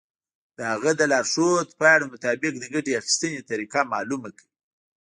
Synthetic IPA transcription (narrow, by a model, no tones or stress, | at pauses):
d̪̥əhaɣad̪əlɑɾʂot̪pɑjɽamʊt̪ɑbɪq̚d̪əɡaʈeaxi̥st̪ənet̪aɾiqamɑlumakʰəwi